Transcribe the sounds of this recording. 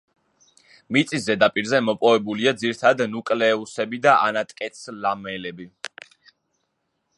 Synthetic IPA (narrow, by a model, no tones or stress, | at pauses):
mit̪sʼiszɛd̪apʼiɾzɛmɔpʼɔvɛbuliad̪ziɾit̪ʰaad̪nukʼlɛːusɛbid̪aʔa̰nat̪ʼkʼɛt̪slamɛlɛbi